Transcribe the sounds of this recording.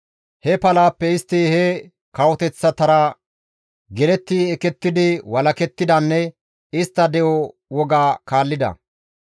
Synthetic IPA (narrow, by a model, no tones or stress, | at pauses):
hɛpɐlaːpːɛɪst̪ːɪhɛ | kɐwɔt̪ɛt͡sːɐt̪ɐɾa | ɡɛlɛt̪ːiɛkːɛt̪ːɪd̪ɪwɐlɐkɛt̪ːɪd̪ɐnːɛ | ɪst̪ːɐd̪ɛʔɔ | wɔɡaːkaːlːɪd̪ɐ̰